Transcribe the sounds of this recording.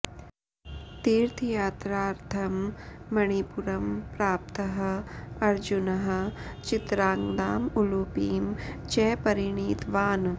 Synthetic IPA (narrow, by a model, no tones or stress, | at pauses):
t̪iːɾt̪ʰjaːt̪ɾaːɾt̪ʰɐmːɐɳ̃ipuɾɐmpɾaːp̚t̪ɐɦɐ̆ɐɾd͡ʒunɐɦɐ̆t͡ʃɪt̪ɾaːŋɡd̪aːmuluːpiːmt͡ʃɛːpɐɾiɳiːt̪ʋaːn